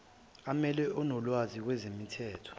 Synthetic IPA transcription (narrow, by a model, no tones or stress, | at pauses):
amɛlɛʔɔnɔlwazik̬wɛzemitʰɛːtʰɔ̥